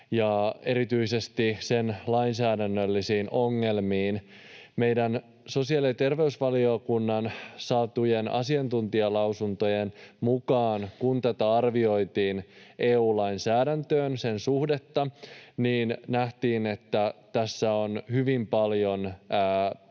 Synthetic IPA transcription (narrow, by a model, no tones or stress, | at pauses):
jɑe̞ɾit̪yisest̪isenlɑjnsæːdænːølːisiːnʔo̞ŋːe̞lmiːn | me̞jdæn | so̞siɑlit̪e̞rʋe̞ysʋɑliokunːɑnsɑt̪ujenɑ̰siɑnt̪unt̪iɑlɑwsunt̪o̞jenmukɑːnkunt̪æt̪æɑrʋio̞jt̪iːnʔeːuːlɑjnsæːdænt̪øːnse̞nsuhde̞t̪ːɑniːnnæht̪iːne̞t̪ːæt̪æsːæo̞nhyʋimpɑljo̞nː